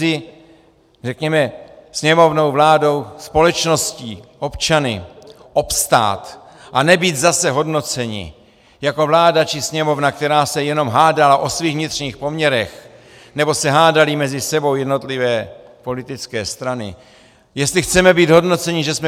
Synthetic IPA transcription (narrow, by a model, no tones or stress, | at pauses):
ɪ | rɛkɲɛmɛsɲɛmovno̞wvlaːdo̞wspo̞lɛt͡ʃno̞sciːʔo̞pt͡ʃanɪ̰ | ʔo̞pst̪a̰ːt̪ | ʔanɛbiːd̪zasɛɦo̞dno̞t͡sɛɲɪ̰ | jako̞vlaːdat͡ʃɪsɲɛmo̞vnakt̪ɛɾaːsɛjɛno̞mɦaːdalaʔo̞sviːɣvɲɪt̪r̥ɲiːxpo̞mɲɛɾɛx | nɛbo̞sɛɦaːdalɪmɛzɪsɛbo̞wjɛdno̞t̪lɪvɛː | po̞lɪt̪ɪt͡skɛːst̪ɾanɪ̰ | jɛst̪lɪxt͡sɛmɛbiːd̪ɦo̞dno̞t͡sɛɲɪʒɛsmɛ